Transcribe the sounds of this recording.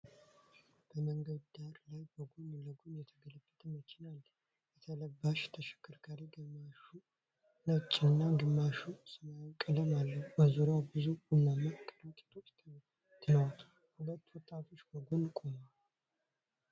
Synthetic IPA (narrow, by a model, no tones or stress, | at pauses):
b̥əməŋɡəd̪d̪aɾlajbəɡonləɡonjɛt̪ʰəɡələfːət̪ʰəmət͡ʃɪnal | jɛt̪ʰələbːaʃt̪ʰəʃɛ̥kːɨɾkʰaɾiɡɨmaʃu | nət͡ʃʼːɪɨnːaɡɨmːaʃusɨmajkʼələmalːəbəzuɾawbɨzuɡunːamːəkʼːəɾat̪ʼe̥t̪ʰo̞t͡ʃ̪ː | t̪ʰɨnəwa | hulət̪ːwɔt̪ʼːafʰo̞t͡ʃːbəɡonkʼomal